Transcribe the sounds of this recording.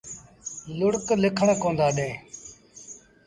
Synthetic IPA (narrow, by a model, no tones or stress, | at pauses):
lʊɽklɪkʰəɳkõːnd̪aːɗẽː